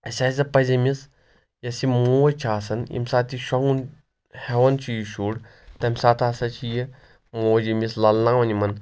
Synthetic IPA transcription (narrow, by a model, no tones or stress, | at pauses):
ɐsʲaːzɐpɐzʲimʲis | jɐsimoːɐt͡ʃʰaːsɐnḭmsaːt̪iʃɐŋɡun | heʋɐnt͡ʃʰijiʃuːɽ | t̪ɐmʲsaːt̪ʰaːsɐt͡ʃʰiji | moːwd͡ʒimʲislɐlnãːwɐnimɐn